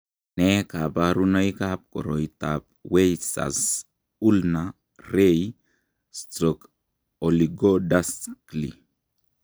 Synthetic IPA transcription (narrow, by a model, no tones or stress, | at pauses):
nekabaɾunajkap̚kʼo̰ɾojt̪apwejsa̰s | ulna | ɾej | st̪ɾok | oliɡodasklḭ